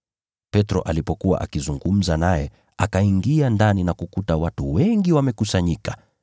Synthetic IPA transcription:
pɛtɾɔ̰ʔalipɔkuwa̰ʔa̰kizuŋɡum̩zanajɛ | akaiŋɡiandaninakukutawatuwɛŋɡiwamɛkusaɲikḁ

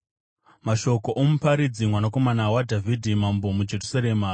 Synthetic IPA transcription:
maʃo̞ko̞ʔomupaɾid͡zimwanako̞manawadʱavʱidʱimambomud͡ʒe̞rusaɾeːmaː

